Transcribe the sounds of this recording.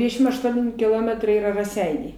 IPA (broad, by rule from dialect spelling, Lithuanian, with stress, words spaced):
ˈdʲʋʲɪdʲɛʃʲɪm ɐʃˈtuɔnʲɪ kʲɪˈlˠoːmʲɛtrɐɪ ˈiːrɐ rɐˈsʲɛɪnʲɛɪ